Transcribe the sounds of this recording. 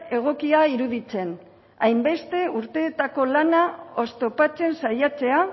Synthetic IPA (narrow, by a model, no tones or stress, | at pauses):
e̞ɣ̞o̞kiaiɾuðit͡se̞n | a̰jmbe̞st̪e̞uɾt̪e̞ːt̪ako̞lanao̞st̪o̞pat͡se̞nsajat͡se̞a